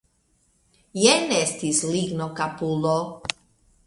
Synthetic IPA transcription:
jɛnɛst̪isliɡnokapulo

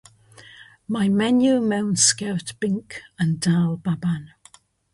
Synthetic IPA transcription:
maɪmɛnjumõʊ̃nskɛɹʔb̥ɪ̃ŋkʰə̃ndalˠbabãn

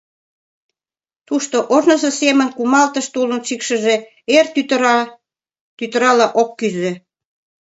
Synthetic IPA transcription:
t̪uʃt̪oʔoʒnɤ̆zɤ̆semə̆nkumɑlt̪ə̆ʃt̪ulə̆nʃikʃə̆ʒe | ert̪yt̪ | t̪yt̪əɾɑlɑʔokːyze

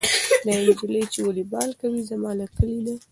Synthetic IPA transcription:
d̪aɪnd͡ʒiləjt͡ʃewalibɑlkawizamɑlakəlid̪a

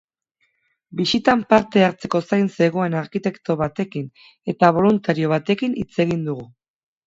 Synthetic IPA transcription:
bisit̪ampaɾt̪e̞aɾt͡se̞ko̞sajnse̞ɣ̞o̞e̞naɾkit̪e̞kt̪o̞βat̪e̞kin | e̞t̪aβ̞o̞lunt̪aɾio̞β̞at̪e̞kinit͡se̞ɣ̞ind̪uɣ̞u

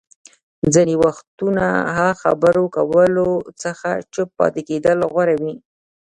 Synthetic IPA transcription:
d͡zənewaxt̪una̰ɦaxa̰bəɾokawəlot͡səxa̰t͡ʃəpːɑ̰t̪eked̪əlɣwaɾawi

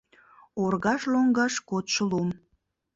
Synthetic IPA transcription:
orɣɑʃloŋɡɑʃkot̪ʃəlum

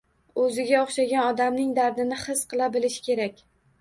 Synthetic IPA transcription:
ɵzɪɡʲaoχʃaɡʲanɒd̪amnɪŋd̪aɾd̪ɪnɪχɨsqʰɨlˠabɪlɪʃɪ̥kʲʰe̞ɾakʲ

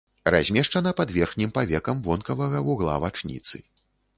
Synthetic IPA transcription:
razʲmʲɛʂt͡ʂɐnɐpad̪vʲɛrxnʲimpavʲɛkɐmvɔnkɐvɐɣɐuɣlˠa̰vat͡ʂnʲḭt̪sɨ̰

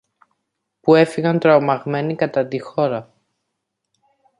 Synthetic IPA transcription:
pue̞fiɣɐnt̪ɾɐomɐɣme̞nikɐt̪ɐt̪ixo̞ɾɐ

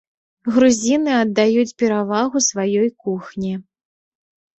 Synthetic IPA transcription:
ɣɾuzʲinɨɐd̪ːajut͡sʲpʲɛɾavaɣusvajɔjkuxnʲi

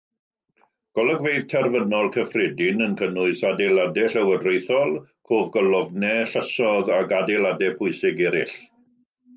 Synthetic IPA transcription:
ɡ̥ɔlˠəɡvejðtʰɛrvənɔlˠkʰəfrɛdɪnənkʰənʊɨsadɛladɛɬəwədrejθɔlˠkʰoːvɡɔlɔvnɛɬəsɔðaɡadɛlˠadɛpʰʊɨsɪɡɛɾɪ̰ɬ

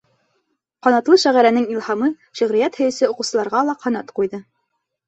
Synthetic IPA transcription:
qɑnɑt̪lˠɤʃæʁæɾænɘŋilˠhɑmɤ | ʃɵ̆ʁɾijæt̪hɵ̆jɘ̆sɘoquwsɤ̆lˠɑɾʁɑlˠɑqɑnɑt̪qujðɤ

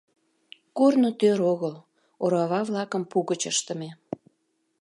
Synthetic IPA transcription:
kornot̪øɾoɣəl | oɾɑβɑβlɑkəmpuɣət͡ɕəʃt̪əme

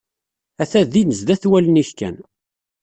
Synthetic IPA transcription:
æθæðinəzd̪æθwæləniçkæ̰n

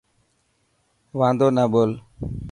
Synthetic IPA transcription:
wãd̪onabol

